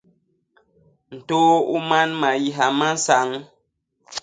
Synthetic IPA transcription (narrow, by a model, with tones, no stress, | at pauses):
n̩˨toː˦u˦ma˦nma˨ji˦ɦa˨ma˦n˦sa˨˦ŋ